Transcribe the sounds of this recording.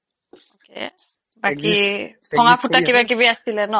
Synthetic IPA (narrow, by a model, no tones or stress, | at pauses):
kḛ | bakipʰɔŋapʰutakibakibiasilɛnɔ